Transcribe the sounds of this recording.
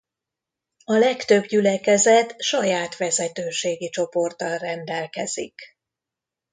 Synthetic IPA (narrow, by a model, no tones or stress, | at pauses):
ɒlɛkt̪ø̞bɟylɛkɛzɛt̪ʃɒjaːt̪ʋɛzɛt̪øːʃeːɡit͡ʃo̞po̞rt̪ɒlrɛnd̪ɛlkɛz̥ḭk